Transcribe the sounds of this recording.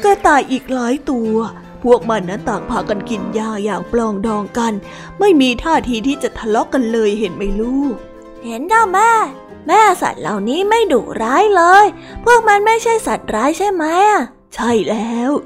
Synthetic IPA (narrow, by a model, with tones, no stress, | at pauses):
ka˧˩t̪aː˨˩jʔiː˨˩k̚laː˦˥jt̪u˧ɐ | pʰu˥˩ək̚ma˧nːa˦˥nt̪aː˨˩k̚pʰaː˧ka˧nki˨˩njaː˧˩jaː˨˩k̚plɔː˧ŋdɔː˧ŋka˧n | ma˥˩jmiː˧t̪ʰaː˥˩t̪ʰiː˧t̪ʰiː˥˩t͡ɕa˨˩t̪ʰa˧lɔ˦˥kːa˧nlɤː˧jɦe˨˦nma˥˩jɾuː˥˩ | he˨˩˦nka˧˩wmɛː˥˩ | mɛː˥˩sa̰˨˩t̪̚la̰˨˩wniː˦˥ma˥˩jduː˨˩kɾaː˦˥jlɤː˧j | pʰu˥˩ək̚ma˧˥nma˥˩jt͡ɕʰa˥˩jsa˨˩t̪̚ɾaː˦˥jt͡ɕʰa˥˩jma˦˥ja˩ | t͡ɕʰa˥˩jlɛː˦˥w